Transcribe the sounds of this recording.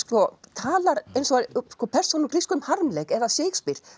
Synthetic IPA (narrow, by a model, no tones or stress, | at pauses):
skɔt̪ʰaːlaɾejnsɔskɔpʰɛr̥sɔnukɾiskʏmhaɾmlekɛðaseːkspiɾ̥